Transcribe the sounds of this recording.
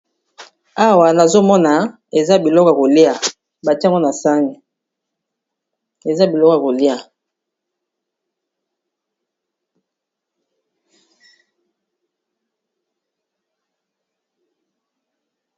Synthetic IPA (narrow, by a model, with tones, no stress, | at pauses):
a˦wa˨na˨zo˦mɔ˦na˨ | e˨za˦bi˨lɔ˦kɔ˦˨a˨ko˨li˦a˨ | ba˨tŋɡo˦na˨sa˦ŋi˨ | e˨za˦bi˨lɔ˦ka˨ko˨li˦a˨